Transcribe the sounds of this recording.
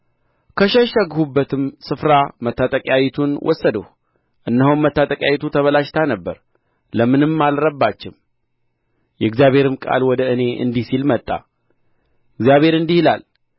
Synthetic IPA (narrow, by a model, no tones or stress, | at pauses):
kʰəʃəʃəɡhubːət̪ʰɨmsɨfɾamət̪ʰːat̪ʼəkʼjawɛt̪ʰunwʔɔ̰sːəd̪əh | ʔɨnːəɦummət̪ːat̪ʼəkʼjawit̪ʰut̪ʰəβəlaʃt̪ʰanəbːəɾ | ləmɨnɨmːalɾəbːat͡ʃːɪm | jɛɨɡzjaβhe̞ɾɨmkʼa̰lwɔd̪əɨne̞ʔɨ̰nd̪isilmət̪ʼːa̰ | ɨɡzijaβhe̞ɾɨnd̪ihila̰l